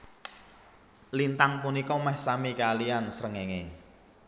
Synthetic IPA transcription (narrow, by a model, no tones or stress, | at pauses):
lint̪aŋpunikɔmɛhsamikaliansɾəŋeŋe